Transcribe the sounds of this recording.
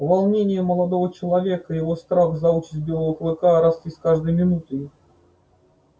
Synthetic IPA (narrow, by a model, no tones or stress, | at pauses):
valˠnʲenʲɪjʊməlˠad̪ovət͡ɕɪlˠɐvʲekəjɪvost̪ɾaxzɐut͡ɕɪ̥sʲt̪̚ʲbʲelˠəəxlˠɨkaɾɐsʲtʲiskaʐd̪əjmʲɪnut̪əj